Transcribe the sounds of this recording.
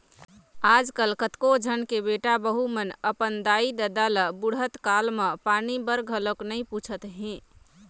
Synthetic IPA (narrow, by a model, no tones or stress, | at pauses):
aːd͡ʒkəlkət̪kod͡ʒʱənkebeʈabəɦumənəpənd̪aid̪əd̪aləbuɽɦət̪kaːlməpaːnibəɾɡʱəloknəĩput͡ʃʰət̪ɦɛ̃